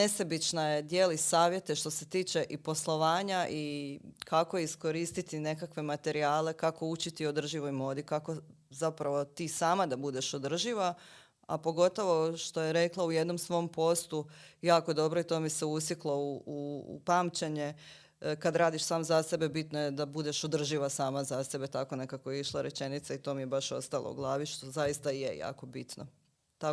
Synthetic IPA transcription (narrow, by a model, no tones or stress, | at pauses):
nesabit͡ʃnaje̞d̪jeːlisaːʋje̞t̪eʃt̪o̞set̪iːt͡ʃe̞ʔipo̞slˠo̞ʋaːɲaʔikako̞isko̞ɾiːst̪it̪ine̞kakʋe̞mat̪e̞ɾiaːle̞kako̞ut͡ʃit̪iod̪r̩ʒiʋojmo̞ːd̪ikako̞ | zapɾaʋo̞t̪iːsaːmad̪abud̪e̞ʃod̪r̩ʒiʋa | a̰po̞ɡo̞t̪o̞ʋo̞ʃt̪o̞jeɾe̞klˠauje̞d̪no̞msʋo̞ompo̞st̪ujaːkoed̪o̞bɾo̞it̪oːmiseusjiklˠouṵpamt͡ɕeɲe̞ | kad̪ɾaːd̪iʃsaːmzase̞be̞bit̪nojed̪abud̪eʃod̪r̩ʒiʋasaːmazase̞be̞t̪ako̞ne̞kakojeiʃlˠaɾet͡ʃe̞nit̪sait̪o̞mijebaʃo̞st̪alˠo̰ṵɡlˠaːʋiʃt̪o̞zajist̪ajeja̰ːko̞bit̪no | t̪a